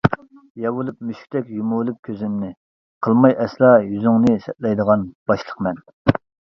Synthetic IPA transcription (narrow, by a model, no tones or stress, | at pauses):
jɑwulˠupmyʃkʲt̪ʰɛkʲjumulˠɨp̚kʲʰøzɪmnɪ | qʰəlˠmɑjʔɛslˠɑjyzyŋnɨsɛt̪̚lɛjd̪əʁɑnb̥ɑʃlˠəqmɛn